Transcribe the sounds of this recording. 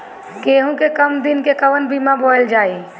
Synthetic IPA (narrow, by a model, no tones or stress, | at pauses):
keːɦũkekəmd̪ɪnkekəʋənbiːmãboːeld͡ʒaːiː